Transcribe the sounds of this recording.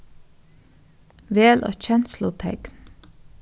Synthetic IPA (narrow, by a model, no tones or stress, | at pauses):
ʋeːlʔo̰ːçɛnslʊt̪ʰɛkn